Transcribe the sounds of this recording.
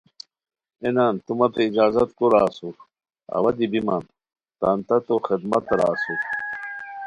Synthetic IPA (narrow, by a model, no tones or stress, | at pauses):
enant̪umɐt̪eid͡ʑaːzɐt̪koɾaːsu | ɐ̰wɐd̪ibiman | t̪ant̪ɐt̪oxid̪mɐt̪ɾa̰ːsu